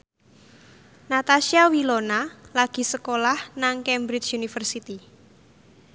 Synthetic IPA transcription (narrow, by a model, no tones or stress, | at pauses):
nat̪asiawilonalaɡ̥i̤səkolahnaŋkɛmbɾit͡ʃunifərsit̪i